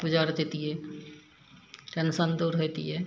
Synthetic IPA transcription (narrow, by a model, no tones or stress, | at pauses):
bʊd͡ʒaːɾd̪eːt̪iɦɛː | ɾənsãnd̪uːɾɦot̪ḭɦɛ